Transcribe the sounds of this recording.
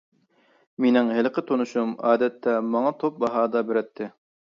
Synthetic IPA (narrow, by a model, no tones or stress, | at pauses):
minɪŋɦɪlqɪt̪ʰonuʃumɑːd̪ɛt̪ʰːɛmɑŋɑt̪ʰop̚bɑɦɑːd̪ɑbɪɾɛt̪ʰːɪ